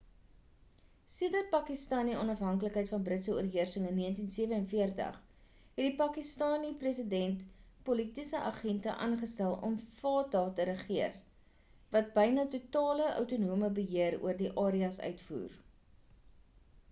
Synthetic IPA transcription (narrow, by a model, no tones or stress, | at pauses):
siədət̚pɑkistɑːniɔnɐfɦɐŋkələkɦəjtfɐnbrətsəuərɦiərsəŋənːiəntinsiəvəənfiərtə̰χ | ɦɛdipɑːkistɑːniprisədɛntpolitisəʔɑχɛntə̰ʔɑ̰nχəstælˠɔ̰mfɑːtɑːtəɾəχiər | vɐt̚bəjnɑtutɑːləʔœ̰wtunuəməbəɦiəɾṵərdiʔɑːɾiɐsœ̰ɥtfṵːr